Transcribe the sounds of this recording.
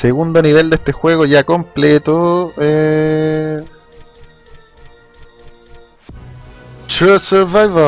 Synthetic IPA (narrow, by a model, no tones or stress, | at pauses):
seɣund̪oniβe̞ld̪est̪exwe̞ɣoʝakomplet̪oe | tɾuseɾvajva